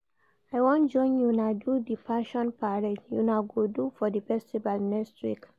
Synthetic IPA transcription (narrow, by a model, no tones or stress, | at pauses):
aɪwɔ̃nd͡ʒɔ̃ɪ̃njunadudifaʃɔ̃npaɹed͡ʒjṵnaʊɡodufɔdifɛstivalnɛkstʰwḭk